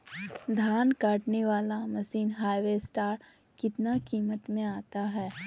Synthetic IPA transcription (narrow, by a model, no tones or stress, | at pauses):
d̪ʱaːnkaːʈneʋaːlamɐsiːnɦaːjʋesʈaːɾ | kɪt̪nakiːmət̪mẽaːt̪aɦɛː